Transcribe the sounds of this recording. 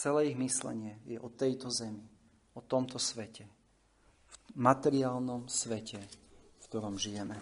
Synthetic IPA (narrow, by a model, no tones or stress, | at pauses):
t͡sɛlɛːiɣmislɛ̰ɲɪɛjɛʔɔt̪ɛjt̪ɔzɛmi | ɔt̪ɔmt̪ɔsʋɛcʰɛ | fmat̪ɛɾiaːlnɔmsʋɛcɛfkt̪ɔɾɔmʒijɛmɛ